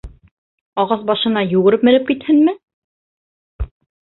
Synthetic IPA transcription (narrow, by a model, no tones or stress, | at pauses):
ɑʁɑθbɑʃɤ̆nɑjuɣɘ̆ɾɘp̚mɘ̆ɾɘp̚kit̪hɘnmɘ